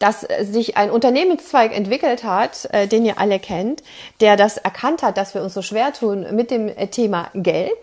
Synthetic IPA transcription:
d̥aszɪçʔa̰ɪnʔʊntɐneːmənst͡sv̥aɪkɛ̰ntv̥ɪkl̩thatʔɛd̥eːniːɐʔa̰ləkʰɛnt | d̥eːɐdasɛɐkʰanthat̚d̥asv̥iːɐʊnsz̥oːʃv̥eːɐtʰuːnmɪt̚d̥eːmtʰeːma̰ɡɛlt

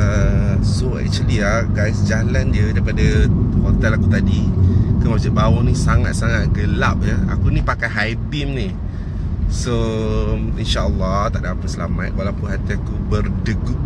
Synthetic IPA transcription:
əsoɛ̰ʔ̚t͡ʃəlia | ɡajsd͡ʒalandiədaipadəhot̪ɛlakut̪adikanwad͡ʒut̪̚bawunisaŋat̪̚saŋat̪̚ɡəlap̚jəa̰kunĩpakajɦaibimni | so | inʃaʔəlːɑt̪a̰ʔdapət̪səlamat̪̚walawpʊnɦat̪iakubərdəɡʊp̚

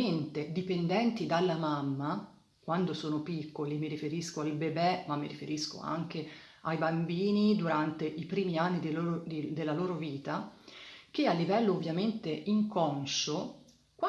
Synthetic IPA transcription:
ent̪ed̪ipend̪ɛnt̪id̪alːamamːa | kwand̪osoːnopikːolimiɾifeɾiskoalbebɛmamːiɾifeɾisko̰a̰ŋk̟e | ajbambiːnid̪uɾant̪eʔipɾiːmianːid̪elod̪elːaloːɾoviːt̪a | k̟ealːivɛlːoːvjament̪eʔiŋkɔnʃo | kwa

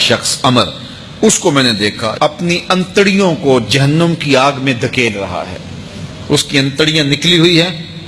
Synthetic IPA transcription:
ʃɐxsɐməɾ | ʊskomɛ̃ːned̪eːkʰa̰ɐpniɐ̃nt̪əɽijõkod͡ʒɐɦənːəmkiaːɡmẽd̪ʱɐkeːlɾɐɦa̰ɦɛ̰ː | ʊskiɐ̃nt̪əɽijãnɪkliɦʊiɦɛː

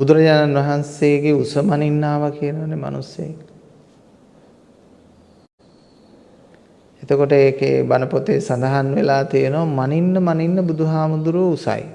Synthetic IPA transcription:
bud̪uɾɐd͡ʑaːnanʋaɦanseːɡeusəmaninːaːʋakijenoʋanema̰nusjḛ | et̪əkoʈəeːkḛbanəpot̪esand̪aɦanʋelaːt̪ijenoamaninːəmaninːəbud̪uɦaːmud̪uɾuəusa̰j

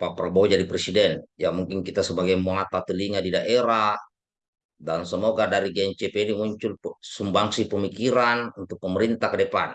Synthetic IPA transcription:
papɾabod͡ʒadipɾɛsidɛnjamuŋkinkit̪asəbaɡajmuat̪at̪əliŋadidaʔeɾa | dansəmɔɡadaɾiɡɛɲt͡ʃepenimuɲt͡ʃulsumbaŋsipəmikiɾanunt̪uk̚pəmɛɾint̪akədɛpan

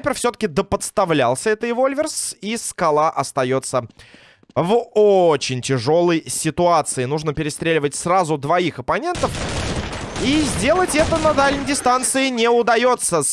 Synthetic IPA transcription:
pʲɪrfsʲɵt̪ə̥kʲɪd̪əpət̪st̪ɐvlʲalˠsʲəɛt̪əɪvolʲvʲɪrsiskɐlˠaʔɐst̪ɐjo̞t̪sə | vot͡ɕɪnʲtʲɪʐo̞lˠəjsʲɪt̪ʊat̪sɨɪnuʐnəpʲɪɾʲɪst̪ɾʲelʲɪvətʲsrazʊd̪vɐixɐpɐnʲe̞nt̪əf | izʲdʲe̞lˠətʲɛt̪ənɐd̪alʲnʲɪjdʲɪst̪ant̪sɨɪnʲɪʊd̪ɐjo̞t̪sə

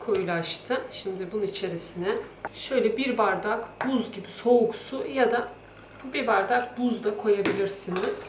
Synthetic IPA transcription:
kʰo̞julˠaʃt̪ʰɯʃimd̪ɪbununit͡ʃʰe̞ɾisinɛʃø̞jlʲɛbiɾbaɾd̪akb̥uzɟibiso̞uksujad̪a | biɾbaɾd̪ak̚buzd̪akʰo̞jabilʲiɾsiniz̥

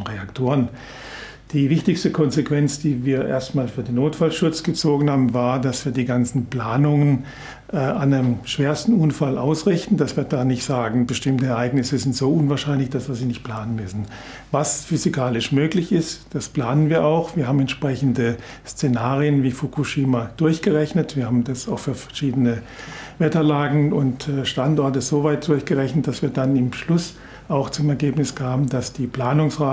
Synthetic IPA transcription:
ʁeaktʰoːʁən | d̥iːvɪçtɪçstəkʰɔnzekv̥ɛnt͡sd̥iːviːɐʔḛːɐstmaːlsfyːɐdeːnːoːtfalʃʊt͡sɡ̥ət͡soːɡŋ̩haːbm̩vaːɐdasv̥iːɐdiːɡant͡sn̩pl̥aːnʊŋən | ʔɛandemʃv̥eːɐstn̩ʔʊnfalʔa̰ʊsʁɪçtn̩d̥asv̥iːɐtd̥aːnɪçtz̥aːɡŋ̩bəʃtɪmtəɛɐʔaɪɡnɪsəzɪntz̥oːʔʊnvaːɐʃaɪnlɪçd̥asv̥iːɐziːnɪçt̚pl̥aːnənmʏsn̩ | vasfyzikʰaːlɪʃmøːklɪçɪstd̥aspl̥aːnənviːɐʔaʊxv̥iːɐhaːbm̩ɛntʃpʁ̥ɛçn̩də | st͡senaːʁijənviːfukʰuʃiːmad̥ʊɐçɡ̥əʁɛçnətv̥iːɐhaːbm̩dasaʊxfyːɐfɛɐʃiːdənə | vɛtɐlaːɡŋ̩ʊntːʃtantɔɐtəzoːvaɪt̚d̥ʊɐçɡ̥əʁɛçnət̚d̥asv̥iːɐdanɪmʃlʊs | ʔaʊxt͡sʊmɛɐɡeːpnɪsɡ̥ʰaːbn̩d̥asd̥iːpl̥aːnʊŋsʁaː

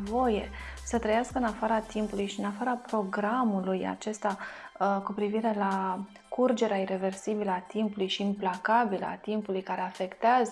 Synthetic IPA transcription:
vo̞je̞̰sət̪ɾəjaskəɨnafaɾat̪impulujʃiɨnafaɾapɾo̞ɡɾamuluja̰t͡ʃe̞st̪akupɾiviɾe̞la | kurd͡ʒe̞ɾeaiɾe̞ve̞rsibiləat̪impulujʃiːmplakabilə̰a̰t̪impulujkaɾe̞afe̞kt̪eazə

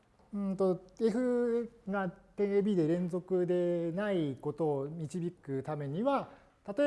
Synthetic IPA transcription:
ɯ̟̃nt̪o̞e̞ɸɯ̟ɡat̪ẽ̞ɰ̃ebʲiːd̪e̞ɾẽ̞nd͡zo̞kɯ̟d̪e̞naiko̞t̪o̞ːmʲit͡ɕibʲikɯ̟t̪ame̞ɲ̟iβa | t̪at̪o̞e

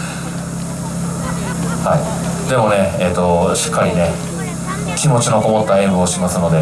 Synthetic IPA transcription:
hai | d̪e̞mo̞ne̞eːt̪ːo̞ɕi̥kːaɾʲine̞ | kʲimo̞t͡ɕino̞ko̞mo̞t̪ːaẽbɯːɕimasɨno̞d̪e̞

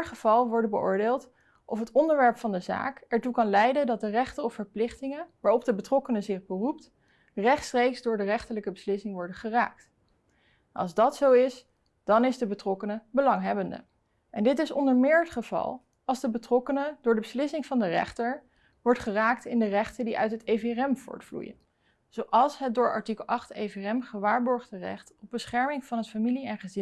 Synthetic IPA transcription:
ɹχəv̥ɑlˠʋɔɹdəbəʔʊ̰ːɹdeːlˠt | ʔɔfɦətɔndəɹʋɛɹpfɑndəza̰ːkɛɹtukɑnlɛjdədɑt̚dərɛχtəɔfəɹplɪχtɪŋəʋaːɹɔpdəbətrɔkənəzɪχbərup̚t | rɛχtstrejkzdʊːɹdərɛχtələkəbəslɪsɪŋʋɔɹdəχəra̰ːk̚t | nɑ̰lˠzdɑtsowɪs | d̥ɑnɪzdəbətrɔkənəbəlɑŋɦɛbəndə̰ | ʔɛndɪtɪsɔ̰ndəɹmɪːɹətχəv̥ɑ̰lˠ | ɑlˠzdəbətrɔkənədʊːɹdəbəslɪsɪŋvɑndərɛ̰χtəɹ | ʋɔɹtχəraːk̚tɪndərɛχtəndiʔœ̰ɥtɦəteverɛmv̥ʊ̰ːɹtflṵjə̰n | z̥owʔɑlˠsɦət̚dʊːɹɑ̰ɹtikəlˠɑχteveɛmχəʋaːɹbɔɹχdərɛ̰χtɔb̚bəsχɛɹmɪŋv̥ɑnɦətfamiliɛnχəzɪ

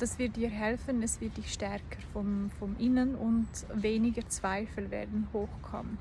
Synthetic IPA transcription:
d̥asv̥ɪɐt̚d̥iːɦɛlfənɛsv̥ɪɐt̚d̥ɪçʃtɛʁkʰəɾfɔnfɔnʔɪnənʊntveːnɪɡət͡sv̥aɪfl̩vḛːɐdn̩hoːxkʰɔ̰mən

